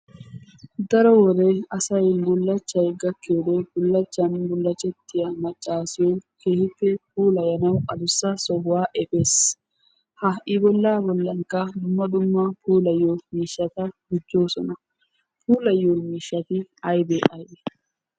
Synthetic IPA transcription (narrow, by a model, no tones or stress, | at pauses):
d̪ɐɾɔwɔd̪ɛɐsɐjbʊlːɐt͡ʃːɐjɡɐkːɪjod̪ɛbʊlːɐt͡ʃːɐnbʊlːɐt͡ʃːɛt̪ːɪjɐmɐt͡ʃʼːaːsɪjɔnke̞ːhɪpːɛp̚uːlɐjɐnɐwɐd̪ʊsːɐsɔɡʊwaːʔɛfes | hɐʔɪbɔlːaːbɔlːɐŋkːɐd̪ʊmːɐd̪ʊmːɐpʰuːlɐjːomiːʃːɐt̪ɐɡʊd͡ʒːo̞ːsɔnɐ | puːlɐjːomiːʃːɐt̪ɪɐjd̪ɛʔɐjd̪ɛ